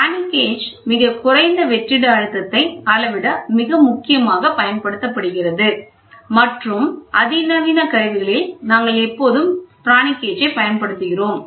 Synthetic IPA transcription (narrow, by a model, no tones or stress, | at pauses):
aːnɪkːeːd͡ʒmɪɣɐkʊrɐɪnd̪ɐʋɛʈrɪɽɐːɻɯt̪ːɐt̪ːɐɪkaːlɐʋɪɽɐmɪɣɐmʊkːɪjɐmaːɣɐpɐjɐnpɐɽɯt̪ːɐpːɐɽɯɣɪrɐðɯ | mɐʈrɯmʔɐðɪnɐʋɪnɐkɐɾɐʋɪɣɐɭɪlnaːŋɡɐɭɛpːoːðɯmpɾaːnɪkːeːd͡ʒɐɪpɐjɐnpɐɽɯt̪ːɯɣɪroːm